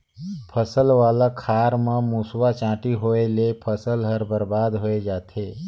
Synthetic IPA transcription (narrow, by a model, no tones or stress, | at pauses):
pʰəsəlʋaːlakʰaːɾmẽmuswat͡ʃãːʈiɦoːelepʰəsəlɦəɾbəɾbaːd̪ɦoːed͡ʒaːt̪ʰeː